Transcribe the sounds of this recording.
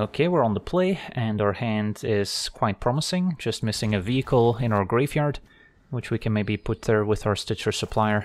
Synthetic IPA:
okʰewɪɹə̃nðəpʰl̥eɪɨ̃naʊə˞hæ̃ndɪz̥kʰw̥aɪt̚pʰɹ̥ɑməsɪ̃ŋd͡ʒʌst̚mɪsɪ̃ŋɨviɨkʰl̩ˠɪ̃ñaʊə˞ɡɹevjɑɹd̥ | wɨt͡ʃwikʰɨ̃nmeɪbipʰʊt̪̚ðə˞wɪðaʊə˞stɪt͡ʃə˞səpʰl̥aɪə˞

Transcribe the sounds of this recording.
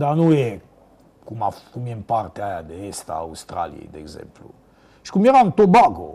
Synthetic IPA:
d̪anue | kumafkumempaɾt̪eajad̪eest̪a̰wst̪ɾa̰ljḛd̪ɛ̰ɡzɛ̰mplṵ | ʃkumeɾant̪obaɡo̰

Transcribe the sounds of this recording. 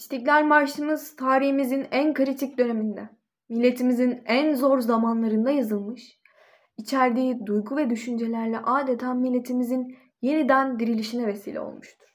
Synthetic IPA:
iʃt̪iclʲæɾʲmaɾʃt̪ˠɯmɯz̥t̪ʰaːɾihimizinænkʰɯɾit̪ʰic̚d̪ø̞ne̞mind̪ɛ | milʲːe̞t̪ʰimizinænzo̞ɾzamanlˠaɾɯnd̪ajazɯlˠmɯʃ | it͡ʃʰæɾd̪iːd̪ujɡuvɛd̪yʃynd͡ʒe̞lʲæɾlʲɛʔaːd̪e̞t̪ʰaːmilʲːe̞t̪ʰimizin | je̞nid̪ænd̪iɾilʲiʃinɛvesḭːlʲɛ̰o̰lˠmuʃt̪ʰu̥ɾ̥

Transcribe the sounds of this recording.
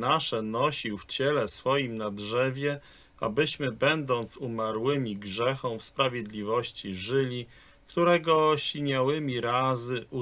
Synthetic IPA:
naʂɛnɔɕiwft͡ɕɛlɛsfɔjimnadʐɛvʲjɛ | ʔabɘɕmɘbɛnd̪ɔnt̪sumaɾwɘmʲiɡʐɛxɔ̃w̃fspɾavʲjed̪lʲivɔɕt͡ɕiʐɘlʲi | kt̪uɾɛɡɔɕiɲʲawɘmʲiɾazɘʔu

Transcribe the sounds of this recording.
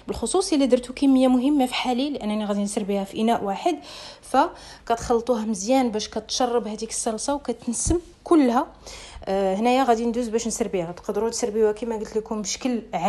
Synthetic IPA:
bəlxosˤusˤjəlːid̪əɾˤt̪ukæmːəjːamʊɦəmːafiħalilʔænːæniɣæd̪insəɾbihæfiʔənæʔwaħəd̪fækæt̪xɑlːt̪ˤuɦæməzjænbæʃkæt̪ʃɑrˤːɑbhæd̪ikə̥sːɑlsˤɑwkæt̪ənsəm | kʊlːhæ | hnæjæɣæd̪ind̪uzbæʃnsəɾbihæt̪qəd̪ɾut̪səɾbiwækimæɡəlt̪likunbʃə̥kəlʕ

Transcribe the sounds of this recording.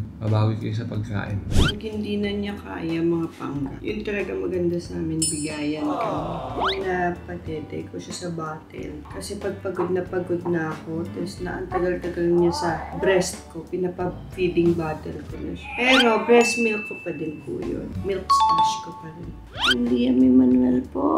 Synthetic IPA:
pɐbaːwikɐjos̬ɐpɐ̰ɡ̚ka̰ːʔɪnɡhɪnd̪iːnɐɲaka̰ːjɐmɐŋapa̰ŋa̰jʊ̰nt̪ɐlɐɡamɐɡɐnd̪asɐʔaːmɪnbɪɡaːjɐnkojʊnɐpɐt̪ɛt̪ɛ̰koʃasɐbaːt̪ɛ̰lkɐsɛpɐɡ̚pɐɡod̪̚nɐpɐɡo̞d̪̚nɐːko̞t̪ɐsnɐ̰ʔɐ̰nt̪ɐɡɐlt̪ɐɡɐlɲasɐbɾɛst̪kopɪnɐpɐpiːd̪ɪŋbaːt̪ɛlkonɐ̰pɛːɾo̞bɾɛst̪mɪlkːopɐd̪ɪnpṵjo̰nmɪlkst̪it͡ʃkopɐɾɪn | hɪnd̪iɐmɪmɐnwɛlpo̰

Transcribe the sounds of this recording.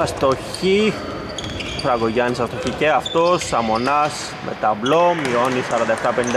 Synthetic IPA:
ɐst̪oçi | pɾɐɡoʝɐnisɐst̪oçiceɐft̪osːɐmonɐs | mʔḛt̪ɐblomionisɐɾɐnd̪ɐeft̪ɐpenind̪

